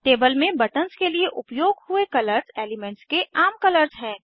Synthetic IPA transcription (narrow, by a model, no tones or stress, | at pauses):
ʈeːbəlmẽbɐʈənskelieʔʊpjoːɡɦʊekɐləɾzeːlɪmɛ̃ɳʈskeʔaːmkɐləɾzɦɛ̃ː